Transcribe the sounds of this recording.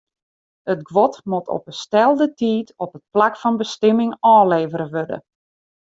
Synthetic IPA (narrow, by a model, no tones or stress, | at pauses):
ətɡʋɔtmotʰɔ̰pəstɛlˠdətiːtɔpət̚plakfɔnbəstɪmɪŋɔːleːvəɾəʋødə̰